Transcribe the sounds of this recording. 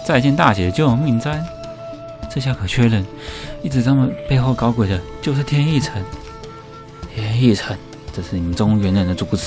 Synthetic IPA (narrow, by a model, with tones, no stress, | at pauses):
t͡sa˥˧ɪt͡ɕjɛ˥˧nt̪a˥˩ɕɛ˨˩d̪ə˦t͡ɕjo˥ʊo˧˩ŋmi˥˧˩ŋt͡sa˥n | ʈ͡ʂɤ˥˧ɕ̬ja˥˩kʰɤ˨˩t͡ɕʰɥɛ˥lə˧˥˦n | i˥˩ʈ͡ʂɻ̩˧˩t͡sa˧˥mə˨npe˥˧ɪxo˥˩ʊkɑ˥ʊkwe˨˩ɪd̪ə˦t͡ɕjo˥˧ʊʂɻ̩˥˩t̪ʰjɛ˥ni˥˩ʈ͡ʂʰə˧˥n | t̪ʰjɛ˥ni˥˩ʈ͡ʂʰə˧˥n | ʈ͡ʂɤ˥˧ʂɻ̩˥˩ni˨˩mə˦nʈ͡ʂʊ˥ŋ˥ŋɥɛ˧˥nə˨˩nd̪ə˧t͡su˧˥t͡sɹ̩˨˩˦